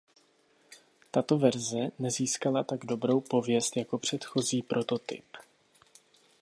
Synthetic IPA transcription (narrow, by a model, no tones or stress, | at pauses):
t̪at̪o̞vɛɾzɛnɛziːskalat̪aɡdo̞bɾo̞wpo̞vjɛst̪jako̞pr̝̥ɛt̪xo̞ziːpɾʔo̞t̪o̞t̪ɪ̰p